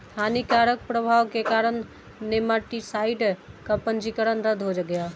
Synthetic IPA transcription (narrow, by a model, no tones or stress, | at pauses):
anikaɾək̚pɾəbʱawkekaɾənː | emaʈisaiɖkəpənd͡ʒikəɾənɾəd̪ʱɦod͡ʒəɡeja